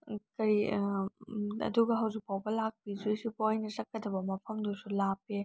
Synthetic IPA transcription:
kɐɾi | ɐ̰duɡɐɦɐwzik̚pʰawbɐlak̚pizujsipojnɐzɐkːɐdɐbɐmɐpʰɐmdusulape

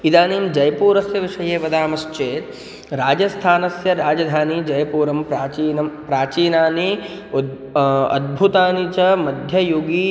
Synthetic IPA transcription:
id̪aːniːmd͡ʒɐjɐpuːɾɐsjɐʋiʂɐjeːʋɐd̪aːmɐst͡ʃeːt̪ | ɾaːd͡ʒɐst̪ʰaːnɐsjɐɾaːd͡ʒɐd̪ʱaːnid͡ʒɐjɐpuːɾɐmpɾaːt͡ʃiːnɐmpɾaːt͡ʃiːnaːni | ɐ̰d̪̚bʱut̪aːnit͡ʃɐmɐd̪ʱjɐjoɡi

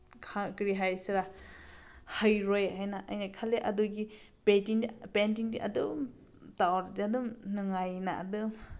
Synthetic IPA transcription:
kʰakɾiɦajsɾa | hɯjɾojɦajnaʔɐjnajkʰaleʔɐduɡi | petiŋpent̬iŋdiʔɐ̰dum | tawɾdiɐdumnɯŋajnaɐ̰dɯm

